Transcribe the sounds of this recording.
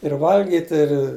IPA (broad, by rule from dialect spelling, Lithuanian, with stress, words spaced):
ɪr ˈʋɐlʲɡʲɪtʲɪ ɪr